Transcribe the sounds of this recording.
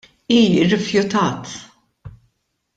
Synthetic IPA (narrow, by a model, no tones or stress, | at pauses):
iːɪɾɪfjʊt̪ɐːt̪